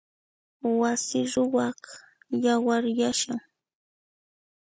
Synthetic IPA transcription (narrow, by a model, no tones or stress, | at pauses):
wasɪɾʊwaχ | jawaɾjaʃaŋ